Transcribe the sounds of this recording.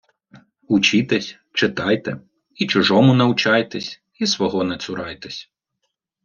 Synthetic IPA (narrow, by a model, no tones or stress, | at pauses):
ut͡ʃit̪ɛsʲ | t͡ʃɪt̪ɑjt̪ɛ̰ | it͡ʃʊʒɔmʊnɐwt͡ʃɑjt̪ɛsʲ | isʋɔɦɔnɛt̪sʊɾɑjt̪ɛsʲ